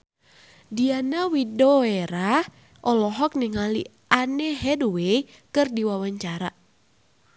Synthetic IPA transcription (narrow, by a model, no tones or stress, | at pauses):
dianawidɔeɾa | ʔɔlɔɦɔk̚niŋalḭ | ʔanɛɦɛduwej | kɨrdiwawaɲt͡ʃaɾa